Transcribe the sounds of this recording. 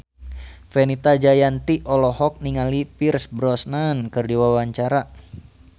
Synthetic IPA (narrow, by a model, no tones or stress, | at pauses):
fɛnit̪ad͡ʒajant̪iʔɔlɔhɔk̚niŋalipirsbɾɔsnankɨrdiwawaɲt͡ʃaɾa